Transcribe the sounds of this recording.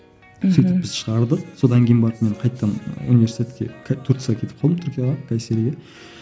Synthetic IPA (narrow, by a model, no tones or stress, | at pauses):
syt̪ɪpːbɪzʃəʁɑɾd̪əqso̞d̪ɑŋkʲʰejnmbɑɾəpme̞ɴqʰɑjt̪ːɑnṵnive̞ɾsit̪ʰet̪kʲḛkʰt̪ʰʊɾk̪sʁɑkʲʰe̞t̪ɪp̚qʰɑlˠd̪əmt̪ʰʏɾkʲijɑʁɑkʲʰæseɾɡʲe